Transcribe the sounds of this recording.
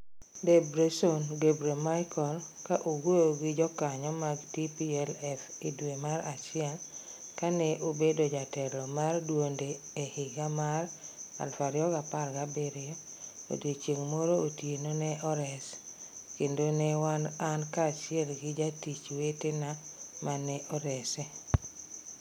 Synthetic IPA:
debɾesonɡebɾemajkʰɔlkaʔoɡwojoɡɪd͡ʒɔkaɲɔmaɡtipiɛlɛfidwemaɾat͡ʃɪɛl | kanɛʔobedod͡ʒatɛlɔmardwonde | ehɪɡamara̰lfaɾɪɔɡaparɡabeɾɪjɔ | o̰det͡ʃeŋmoɾootjenonɛʔɔɾɛs | kendonɛwanankat͡ʃɪɛlɡɪd͡ʒatit͡ʃwetenamanɛʔɔɾɛsɛ

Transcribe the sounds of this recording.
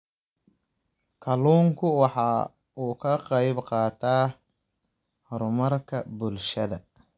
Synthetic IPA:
kʰɐluːŋkʰʊwɑħɑː | uːkʰɐqɑjbqɑːt̪ʰaː | hɾʊmɐrkʰɐbʊlʃɐðɐ

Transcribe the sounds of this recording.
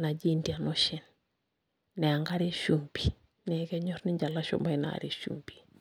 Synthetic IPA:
nad͡ʒindianɔʃɛn | nɛaŋɡaɾiʃumbi | nɛkɛɲɔɾniɲd͡ʒalaʃɔ̰mbaina̰ɾiʃṵmbi̥

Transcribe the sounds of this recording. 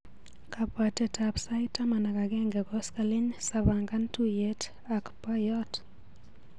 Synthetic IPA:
kʰapwatɛtʰapsaɪtamanakaɡɛŋɡɛɡɔskalɪɲsaβaŋɡantujet | akpajɔt

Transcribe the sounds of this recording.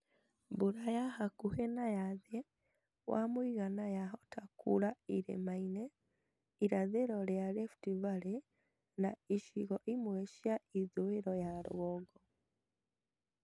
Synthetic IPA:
buɾajahakuhenajaðe | wa̰mwiɣanajaɦɔtakuɾaiɾḛmaine | iɾaðeɾɔɾjaɾeftivaɾe | naiʃiɣɔʔimwɛʃjaiðoeɾɔjaɾ̰ɣɔɡɔ

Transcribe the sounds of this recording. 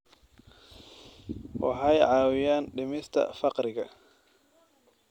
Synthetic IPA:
wʔa̰ħajʕaːwɪjaːnɗɪmɪst̪ʰɐ̰fɑqɾɪɡɐ

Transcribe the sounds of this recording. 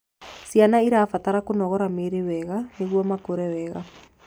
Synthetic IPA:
sjanaiɾaːfataɾakonɔɣɔɾameɾewɛɣaneɣwɔmakoɾɛwɛɣa

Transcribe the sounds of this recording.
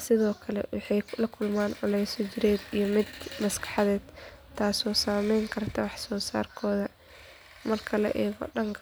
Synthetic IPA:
sɪðɔːkʰɐlɛ̰wɑħɑjlɐkʰʊlmaːnʕʊlɛjsɔt͡ʃɪɾɛːd̪ijɞmɪd̪mɐskʰɑ̥ħɑðɛːd̪t̪ʰːaːsɔːsaːmɛjŋkʰɐrt̪ʰɐwɑħsɔːsa̰ːrkʰɔːðɐ | mɐrkʰɐlɐ̰ʔɛːɣɔ̰ɖɐŋkʰ

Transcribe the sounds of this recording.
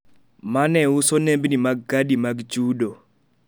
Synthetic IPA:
manɛʊsonembnimaɡːadimaɡt͡ʃudo

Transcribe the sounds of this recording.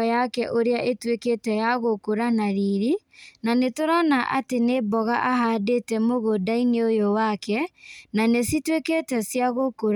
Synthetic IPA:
jakɛʔoɾeaʔetweketɛjaɣokoɾanaɾiɾi | nanetoɾanaʔatenebɔɣaʔahadetɛmoɣodaineojowakɛnanesitweketɛsjaɣokoɾ

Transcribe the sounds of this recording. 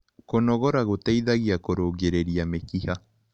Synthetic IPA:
konɔɣɔɾaɣotɛiðaɣiakoɾoɣeɾeɾiamekiha

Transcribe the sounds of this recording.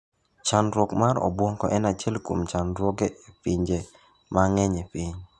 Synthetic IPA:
t͡ʃanɾwɔkmaɾɔ̰bwɔŋkɔ̰ʔɛnat͡ʃɛlko̰mt͡ʃanɾwɔɡeepiɲd͡ʒe | maŋɛɲepiɲ

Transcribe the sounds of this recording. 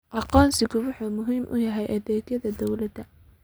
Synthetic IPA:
ʔɑqɔːnsɪɣʊwʊħuːmʊɦiːmʔʊ̰jɐɦɛjʔɐðɛːɡjɐðɐd̪ɔwlɐd̪ɐ

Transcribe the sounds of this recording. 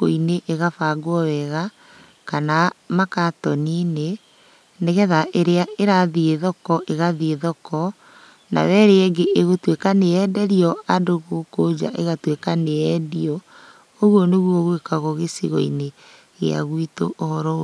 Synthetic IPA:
o̰ineʔeɣafaɡwɔwɛɣa | kanamakatɔnine | neɣɛðaʔeɾeaeɾaðieðɔkɔʔeɣaðieðɔkɔ | na̰βɛɾeeɡeʔeɣotwekaneɛdɛɾiɔadoɣokod͡ʑa̰ʔeɣatwekaneɛdiɔ | oɣwɔneɣwɔɣwekaɣoɣesḭɣɔine | ɣḛa̰ɣwitoʔohɔɾɔ

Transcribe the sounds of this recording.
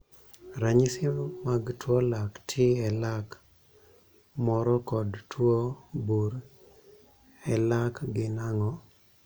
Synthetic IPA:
ɾaɲisɪmaɡtʰwolaktʰɪɛlak | mɔɾɔkɔdtwobuɾ | ɛlakɡɪnaŋɔ

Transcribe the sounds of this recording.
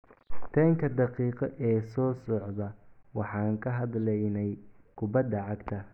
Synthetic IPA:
t̪ʰɐŋkʰɐd̪ɑqiːqɐʔɛːsɔːsɔʕðɐwɑħɑːŋkʰɐɦɐd̪lɛjnɛj | kʰʊbɐd̪ːɐʕɑɡt̪ʰɐ

